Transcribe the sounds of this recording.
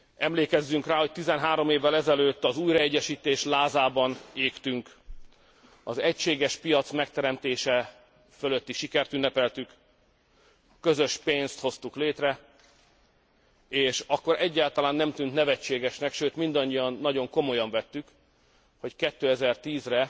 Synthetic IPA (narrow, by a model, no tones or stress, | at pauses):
ɛmleːkɛzːyŋkraːho̞c̚t̪izɛnɦaːɾo̞meːvːɛlɛzɛløːt̪ːɒzuːjɾɒɛɟːɛʃiːt̪eːʃlaːzaːbɒneːkt̪yŋk | ɒzɛcʃeːɡɛʃpijɒt̪smɛk̚t̪ɛɾɛmt̪eːʃɛ | følø̞t̪ːiʃikɛrt̪ynːɛpɛlt̪yk | kːø̞zø̞ʃpeːnst̪ho̞st̪ukleːt̪rɛ | eːʃɒkːo̞ɾʔɛɟːaːlt̪ɒlaːnːɛmt̪ynt̪nɛvɛt͡ʃːeːɡɛʃnɛkʃøːt̪mind̪ɒɲːijɒnːɒɟo̞ŋko̞mo̞jɒɱvɛt̪ːyk | ho̞ckɛt̪ːøːɛzɛrt̪iːzrɛ